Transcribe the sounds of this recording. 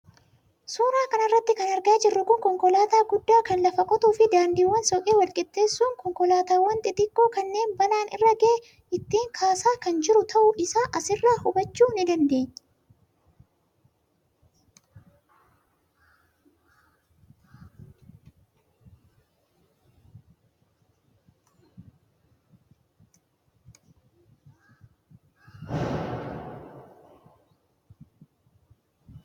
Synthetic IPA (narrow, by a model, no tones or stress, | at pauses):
suːɾaːkɐnɐrːɐt̪ːɪkɐnɐɾɡaːd͡ʒɪrːʊkʊŋkɔŋkɔlaːt̪aːɡʊd̪ːaːkɐnlɐfɐkʼɔt̪uːfɪd̪aːnd̪iːwːɐnsɔkʼeːwɐlkʼɛt̪ːe̞ːsːuːŋkɔŋkɔlaːt̪aːwɐnt̪ʼɪt̪ɪkʼːoːkɐnːe̞ːnbɐlaːnɪ̰rːɐɡɐʔɛ | ɪt̪ːiːŋkʰaːsaːkɐnd͡ʒɪɾʊt̪ʰɐʔʊʔɪsaːʔɐsɪrːaːhʊbɐt͡ʃːuːnɪd̪ɐnd̪e̞ːɲː